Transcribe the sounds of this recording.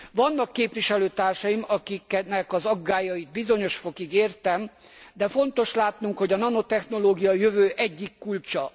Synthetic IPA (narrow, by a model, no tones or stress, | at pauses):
vɒnːɒkːeːpʋiʃɛløːt̪aːrʃɒjimɒkiknɛkɒzɒɡːaːjɒit̪̚bizo̞ɲo̞ʃfo̞kiɡeːrt̪ɛmd̪ɛfo̞nt̪o̞ʃlaːt̪nuŋkho̞ɟɒnɒno̞t̪ɛxno̞loːɡijɒjøvøːʔɛɟːikːult͡ʃɒ